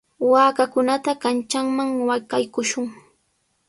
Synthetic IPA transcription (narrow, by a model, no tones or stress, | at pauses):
waːkakʊnat̪akant͡ʃaŋmaŋwajkajkʊʃʊŋ